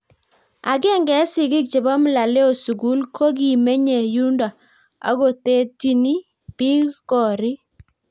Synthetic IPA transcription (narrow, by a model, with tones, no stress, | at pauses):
a˨ɡɛ˦ŋɡɛ˨˦sɪ˨ɡɪ˦k̚t͡ʃe˨ba˦m˦˨la˨le˦o˨su˨ɡu˦lkʰo˦ɡi˨me˦ɲe˨ju˦nda˨ | a̰˦ɡo˨te˦ti˦ni˦ | pi˦kkɔ˨ɾi˦